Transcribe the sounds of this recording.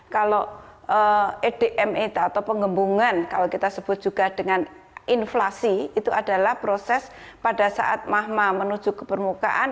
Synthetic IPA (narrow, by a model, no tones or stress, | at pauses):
kaloəed̥eʔɛmit̪aːt̪awpəŋɡəmbuŋankalokit̪asəb̥ʊt̪̚d͡ʒ̥uɡ̥a̤d̥əŋanʔinflasiit̪uada̤lahpɾosɛs | pada̤sa̰ʔat̪̚maɦmamənu̥d͡ʒ̥ukəpərmuka̰ʔan